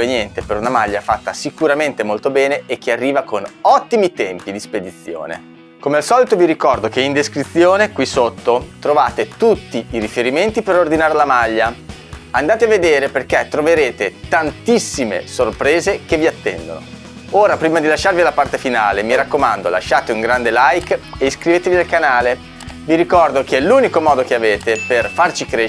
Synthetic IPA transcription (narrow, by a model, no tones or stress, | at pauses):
enjɛnt̪epeɾunamaʎːafat̪ːasikuɾament̪emolt̪obɛːneːk̟ːearːiːvakonɔt̪ːimit̪ɛmpid̪isped̪it̪sːjo̰ːnḛ | komealsɔːlit̪oviɾikɔrd̪okeind̪eskɾit̪sːjoːnekwisot̪ːot̪ɾovaːt̪et̪ut̪ːiiɾifeɾiment̪ipeɾord̪inaːɾelamaʎːa | and̪aːt̪eaved̪eːɾeperket̪ːɾoveɾeːt̪et̪ant̪isːimḛsorpɾeːzekevːiat̪ːɛ̰nd̪o̰no̰ | oːɾapɾiːmad̪ilaʃːarvialapart̪efina̰ːlemiɾakːomand̪ola̰ʃːaːt̪euŋɡɾand̪elajkeiskɾiveːt̪evialkanaːle | viɾikɔrd̪okeɛluːnikomɔːd̪okeaveːt̪eperfart͡ʃikɾe